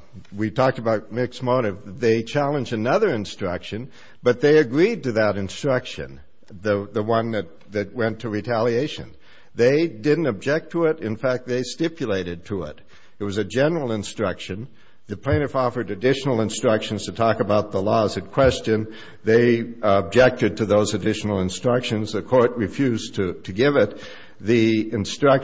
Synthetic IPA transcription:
witʰɔk̚təbaʊt̚mɪksmoʊɾɨvðeɪt͡ʃʰælˠə̃nd͡ʒdɨnʌðə˞ɨ̃nstɹ̥ʌkʃɨ̃n | b̥ʌt̪̚ðeɪɨɡɹid̚tɨðəɾɨ̃nstɹ̥ʌkʃɨ̰̃n | ðɨðəwʌ̃nðɨt̪̚ðɨt̚wɛ̃ntʰɨɹitʰælˠieɪʃɨ̰̃n | ðeɪdɪdⁿn̩tɨb̚d͡ʒɛk̚tʰəɪɾɨ̃nfæk̚t̪̚ðeɪstɪpʰjɨleɪɾɨd̚tʰəɪ̰ɾ | ɨt̚wʌzɨd͡ʒɛnə˞l̩ˠə̃nstɹ̥ʌkʃɨ̃n | ðɨpʰl̥ẽɪ̃ñɨfɔfə˞ɾɨdɪʃnl̩ˠə̃nstɹ̥ʌkʃɨ̃n̩z̥tʰɨtʰɔkɨbaʊt̪̚ðəlɔzɨ̃nkʰw̥ɛst͡ʃɨ̃n | ðeɪəb̚d͡ʒɛk̚tɨd̚tʰɨðoʊzɨdɪʃn̩l̩ˠə̃nstɹ̥ʌkʃɨ̃nzðɨkʰɔɹt̚ɹɨfjʉztʰɨtʰɨɡɪvɪt̪̚ | ðiɨ̃nstɹ̥ʌk

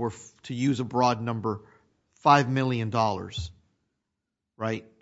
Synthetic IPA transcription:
wə˞ɾʰɨjʉzəbɹɔdⁿnʌ̃mbə˞ | faɪvmɪlˠjɨ̃ndɔlˠə̰˞z̥ | ɹaɪt̚

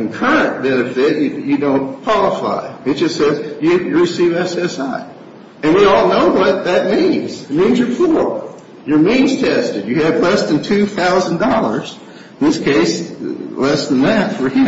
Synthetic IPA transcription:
ɨ̃nkʰɜ˞ɨ̃nb̥ɛnɨfɪt͡ʃɨjɨdõʊ̃nkʰw̥ɑlˠəfa̰ɪɨt̚d̥ʒ̥ʌstsɛzjɨjɨɹɨsivɛsɛsaɪ | ɨ̃nwiɔlˠnoʊwʌt̪̚ðɨt̚mĩnz̥ɨt̚mĩnzjə˞fʰɔɹ | jə˞mĩnz̥tʰɛstɨdjɨɨvlɛsðɨ̃ntʰʉθaʊz̃n̩dɔlˠə˞z̥ | n̩ðɪskʰeɪslɛsðə̃nðɨtfə˞ji

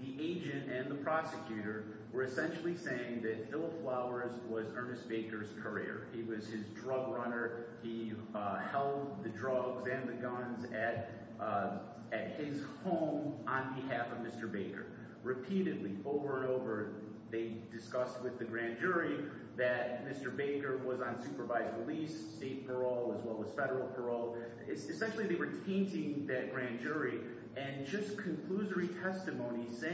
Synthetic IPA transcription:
ðiʔeɪd͡ʒɨ̃ntɨ̃nðəpʰɹ̥ɑsɨkʰj̥ʉɾə˞ | wə˞ɨsɛ̃nʃl̩ˠiseɪɪ̃ŋðɨtfɪlˠflaʊə˞zwʌzɜ̃˞nɨsb̥eɪkə˞z̥kʰə˞ɪ̰ɹiwʌz̥ɪzdɹʌɡɹʌnə˞ | i | hɛlˠd̪̚ðɨdɹʌɡzɨ̃nðɨɡʌ̃nzɨɾ | ɨt̚hɪz̥hõʊ̃mə̃nbɨɦæfʌvmɪstə˞beɪkə̰˞ | ɹɨpʰiɾɨdˡliʔoʊvə˞ə̃noʊvə˞ | ðeɪdɨskʌst̚wɨðɨɡɹæ̃nd͡ʒʊɹi | ðɨt̚mɪstə˞beɪkə˞wʌzn̩sʉpə˞vaɪzɹilisːteɪt̚pʰə˞oʊlˠəzwɛlˠəz̥fɛɾə˞l̩ˠpʰə˞oʊlˠ | ɪsɨsɛ̃nʃl̩ˠiðeɪwə˞tʰẽɪ̃ntɪ̃ŋðɨt̚ɡ̥ɹæ̃nd͡ʒʊɹi | ʔɨ̃nd͡ʒʌskʰɨ̃nkʰl̥uzə˞itʰɛstɨmõʊ̃ni̥se

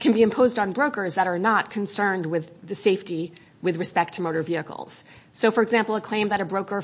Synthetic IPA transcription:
kʰɨ̃nbiɨ̃mpʰoʊzdn̩bɹoʊkə˞zðəɾə˞nət̚kʰɨ̃n̩sɜ̃˞nd̚wɪðɨseɪfti | wɨðɹɨspɛk̚tʰɨmoʊɾə˞viɨkl̩ˠz̥ | soʊfə˞ɨɡzæ̃mpl̩ˠəkʰl̥ẽɪ̃mðɨɾɨbɹoʊkə˞

